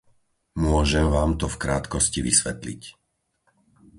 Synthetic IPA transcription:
mʊɔʒɛmʋaːmt̪ɔfkɾaːt̪kɔsciʋisʋɛt̪lḭc

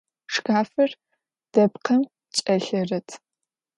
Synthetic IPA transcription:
ʂkaːfɐr | d̥ɐpqʰɐm | t͡ʃʼɐɬɐrɐtʰ

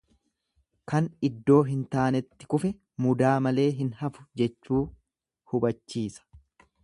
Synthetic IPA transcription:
kɐnɪd̪ːo̞ːɦɪnt̪aːnɛt̪ːɪ̥kʊfɛ | mʊd̪aːmɐle̞ːɦɪnhɐfʊ̥d͡ʒɛt͡ʃːuː | hʊbɐt͡ʃːiːsɐ̥

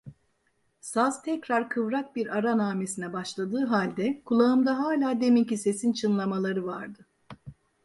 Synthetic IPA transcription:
sazt̪ʰɛcɾaɾkʰɯvɾak̚biɾaɾanaːme̞sinɛbaʃlˠad̪ɯːɦalʲd̪ɛkʰulˠaɯmd̪aɦaːlʲaːd̪e̞micise̞sint͡ʃʰɯnlˠamalˠaɾɯvaɾd̪ɯ

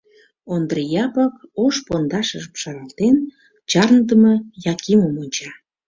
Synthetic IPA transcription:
ond̪rəjɑpɑkoʃpond̪ɑʃəʒəmʃɑɾɑlt̪en | t͡ɕɑrnd̪əmɤjɑkiməmonʲt͡ɕɑ

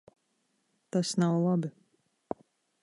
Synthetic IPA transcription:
t̪asnawlˠabi

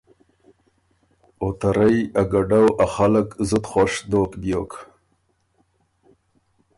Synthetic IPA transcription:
ot̪aɾajaɡaɖawaxaləkzʊt̪χoʂd̪okbjok

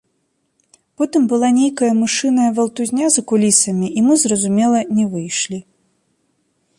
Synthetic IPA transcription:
pɔt̪ɨmbɨlˠanʲejkɐjɐmɨʂɨnɐjɐvɐlˠt̪uzʲnʲazɐkulʲisɐmʲiʔimɨzrɐzumʲɛlˠɐnʲɛvɨjʂlʲi

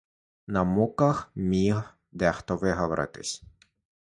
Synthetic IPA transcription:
nɐmukɐxmʲiɦ | d̪ɛxt̪ɔʋɪɦɔʋɔɾʔɪ̰t̪ɪsʲ

